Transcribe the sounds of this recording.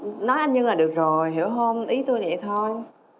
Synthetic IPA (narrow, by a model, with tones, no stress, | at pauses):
nɔ˨˦jʔa˧jnɲɨ˧ŋlaː˨˩ɗɨ˨˩ək̚zo˨˩jɦi˧˩əwɦə˧mʔi˨˦t̪o˧jnɛ̰˧˨t̪ʰo˧j